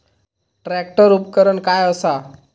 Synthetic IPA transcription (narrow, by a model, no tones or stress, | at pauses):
ʈɾɛk̚ʈəɾupkəɾəɳkajəsa